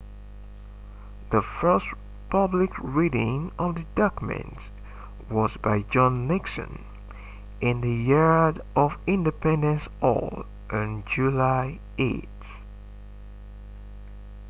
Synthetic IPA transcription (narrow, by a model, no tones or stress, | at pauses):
ðəfɜ˞st | pʰʌblɪkʰɹiɾɪ̃ŋʌvðɨdɔkmɨ̰̃nt | wɔzbaɪd͡ʒɔ̃nːɪksɨ̰̃n | ʔɪ̃nðɨjɪɹdʔɔvɪ̃ndɨpɛ̃ndə̃nsɔ̰l | ʔɪ̃nd͡ʒulaɪ | ʔet